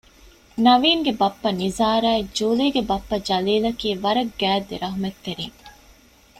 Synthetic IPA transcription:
nɐʋiːŋɡebɐpːɐnizaːɾaːed͡ʒuːliːɡebɐpːɐd͡ʒɐliːlɐkiːʋɐɾɐɡːæːd̪ːeɾɐɦumet̪ːeɾiːŋ

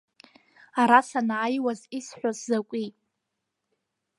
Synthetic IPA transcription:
aɾasanaːjwazisħʷᶣaszakʷʼi

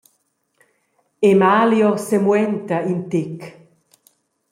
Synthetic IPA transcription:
emaːljosemwɛnt̪aint̪ek

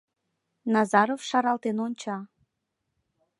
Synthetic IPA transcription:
nɑzɑɾofʃɑɾɑlˠt̪enonʲt͡ɕɑ

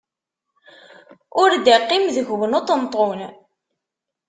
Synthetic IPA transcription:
ʊɾd̪æqːimðəʝwənot̪ənt̪ˤon

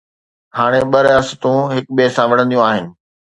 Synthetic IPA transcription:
haːɽ̃eɓɐɾɐst̪ũɦɪkɓesãʋɐɽ̤ə̃nd̪ijũaːɦɪnɪ̆

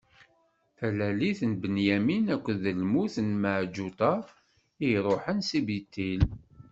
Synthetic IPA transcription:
θælæliθnbənjæminækʷːəðəlmuθnməʕd͡ʒut̪ˤɑ | iɾˤoħənsibit̪ːil

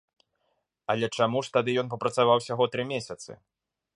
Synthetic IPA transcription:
ɐlʲɛt͡ʂamuʂt̪ad̪ɨjɔnp̬ɐpɾɐt̪savawsʲaɣɔt̪ɾɨmʲesʲɐt̪sɨ̰

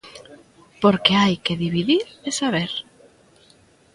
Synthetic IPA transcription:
poɾkeajkeðiβiðiɾesaβeɾ

